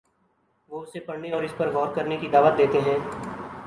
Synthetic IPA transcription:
ʋoʊsepɐɽneɔːɾɪspɐɾʋɔːɾkɐɾnekid̪aːʋət̪̚d̪eːt̪eɦɛ̃ː

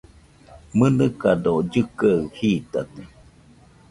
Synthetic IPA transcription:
mɨnɨkadod͡ʒɨkaɯhiːt̪at̪e

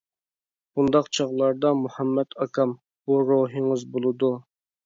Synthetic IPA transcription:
b̥und̪ɑqt͡ʃʰɑʁlˠɑɾd̪ɑmuhɑmːɛt̪ʰɑkʰɑm | b̥uɾoɦɨŋɨzbolˠɨd̪u

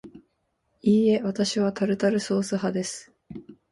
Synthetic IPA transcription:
iːe̞at̪aɕiβat̪aɾɯ̟t̪aɾɯ̟so̞ːsɨɦad̪e̞sɨ̥

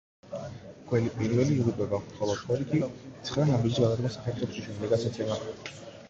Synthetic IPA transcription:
ɡ̥wɛlipʼiɾvɛliːʁupʼɛbaχɔlˠɔt̪χʰɔɾik̪ʰit̪sʰχɾanabid͡ʒisɡad̪aɾɡasaχɛɾt̪χɛp̪ʃiʃʰɛmd̪ɛɡat̪sʰat̪sʰɛma

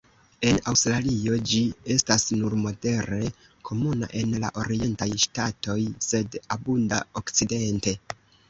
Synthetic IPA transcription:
e̞nawstɾalio̞d͡ʒie̞stasnuɾmo̞de̞ɾe̞ | kʰo̞muna̰ʔe̞nla̰ʔo̞ɾie̞ntajʃtato̞jse̞dabundao̞kt͡side̞nte̞

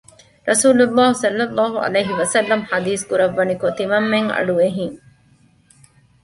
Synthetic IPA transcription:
ɾɐsuːlulːaːɦsɐlːɐlˤːɑːɦuɐ̰lejɦiʋɐsɐlːɐmhad̪iːskuɾɐʋːɐnikot̪imɐmːeŋɐ̰ɖueɦiŋ

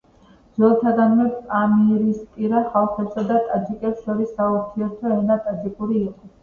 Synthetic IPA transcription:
zɔlˠt̪ʰad̪anmɛbpʼamiɛɾispʼiɾaχalˠχɛpsad̪at̪ʼad͡ʒikʼɛpsʃɔɾisːauɾt̪ʰiɛɾt̪ʰɔɛnat̪ʼazikʼuɾiːqʼɔ

